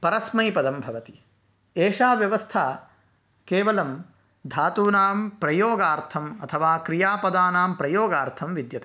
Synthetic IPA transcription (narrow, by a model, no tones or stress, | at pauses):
pɐɾɐsmɐjpɐd̪ɐmbʱɐʋɐt̪i̥ | eːʂaːʋjɐʋɐst̪ʰaː | keːʋɐlɐm | d̪ʱaːt̪uːnaːmpɾɐjoːɡaːɾt̪ʰɐmɐt̪ʰɐʋaːkɾijaːpɐd̪aːnaːmpɾɐjoːɡaːɾt̪ʰɐmʋid̪jɐt̪eː